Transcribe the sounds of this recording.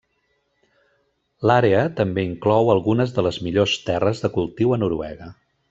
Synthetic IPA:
laɾeət̪əmbeiŋklɔwəlˠɣunəzðələzmiʎost̪ɛrəzðəkulˠt̪iwənuɾuɛ̰ɣə

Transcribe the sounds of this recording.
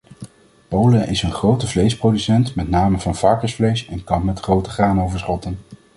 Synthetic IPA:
powləʔɪsənχrowtəvlejsprowdysɛntmɛtnaːməvɑnv̥ɑɹkəsflejsɛnkɑnmɛtχrowtəχraːnowvəɹsχɔtən

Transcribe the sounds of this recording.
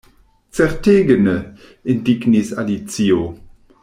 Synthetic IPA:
t͡sɛʁteːɡənə | ɪndiɡnisalit͡sio

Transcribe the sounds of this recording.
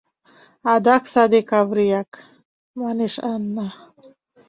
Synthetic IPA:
ad̪aksad̪ekavɾijak | maneʃanːa

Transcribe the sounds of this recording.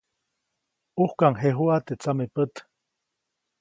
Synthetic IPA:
uhkaŋɦeɦuat̪et͡samepət̪

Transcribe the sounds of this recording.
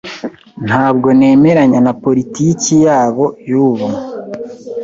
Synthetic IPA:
n̥haːbɡo̞ne̞ːme̞ɾaɲanapo̞ɾitiːcijaːβo̞juβum

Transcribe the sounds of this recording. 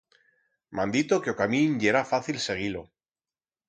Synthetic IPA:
mãnd̪it̪okeokaminʎe̞ɾafaθilse̞ɣ̞ilo

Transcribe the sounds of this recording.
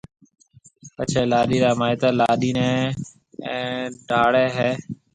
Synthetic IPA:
pət͡ʃʰeːlaːɗiːɾaːmaːɪt̪aːlaːɗiːnẽː | ɖʱaːɽeːɦeː

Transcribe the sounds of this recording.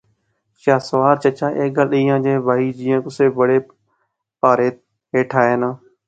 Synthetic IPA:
ʃaːsəʋaːɾt͡ʃət͡ʃaːʔeːk̚ɡəlɗiːjãːd͡ʒeːbʱaːiːd͡ʒiːjãːkʊseːbəɽeː | paːɾeː | eːʈʰaːeːnãː

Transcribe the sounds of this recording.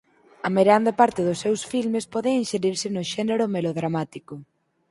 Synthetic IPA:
ɐmeɾeand̪ɐpaɾt̪ɪðʊsːewsfilmespɔðeinʃeɾiɾsɪnʊʃɛneɾʊmeloðɾamat̪ikʊ

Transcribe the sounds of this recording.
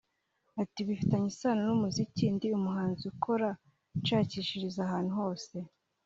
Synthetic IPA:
atiβifitaɲisaːnonumuzicindiumuɦaːnziukʰo̞ɾa | t͡ʃaːciːʃiɾizahaːn̥uho̞ːse̞

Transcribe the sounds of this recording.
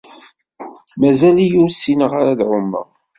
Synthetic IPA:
mæzælijʊɾsinəʁaɾaðʕʊmːə̰ʁ

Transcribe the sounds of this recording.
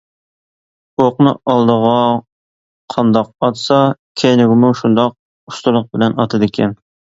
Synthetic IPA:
oqnɨʔɑlˠd̪əʁɑ | qʰɑnd̪ɑq̚ɑt̪sɑkʲʰejnɪɡʲɪmuʃund̪ɑq̚ | ust̪ʊlˠʊq̚bɪlɛnɑt̪ʰɨd̪ɪkʲʰɛn

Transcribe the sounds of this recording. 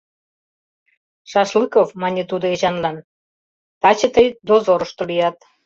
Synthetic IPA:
ʃɑʃlɨkovmɑnʲet̪ud̪oeʑɑnlɑn | t̪ɑt͡ɕə̆t̪əjd̪ozoɾəʃt̪olijɑt̪̚

